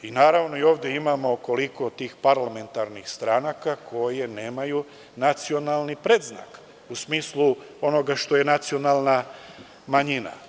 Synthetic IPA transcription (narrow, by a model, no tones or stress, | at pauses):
inaːɾaʋno̞io̞ːʋd̪je̞imamo̞ko̞liko̞t̪iːxpaɾlame̞nt̪aɾnixst̪ɾanakakʰo̞je̞ne̞ːmaju | nat̪sio̞nalˠnipɾed̪zna̰k | usmiːslu | o̞no̞ɡaʃt̪o̞je̞nat̪sio̞naːlˠna | maɲina̰